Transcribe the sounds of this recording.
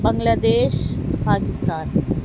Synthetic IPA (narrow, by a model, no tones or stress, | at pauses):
bəŋɡlaːd̪eːʃpaːkist̪aːn